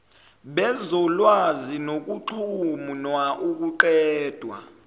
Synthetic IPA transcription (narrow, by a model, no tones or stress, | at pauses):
ɓɛzɔlwazinok̬uǃʰumunwaʔuk̬uǃɛːd̥ʱwa̰